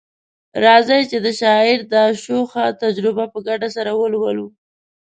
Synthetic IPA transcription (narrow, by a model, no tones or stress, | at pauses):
ɾɑzəjt͡ʃed̪əʃɑɪɾd̪əʃoxat̪ad͡ʒɾɪbapəɡaɖasaɾawəlwəlu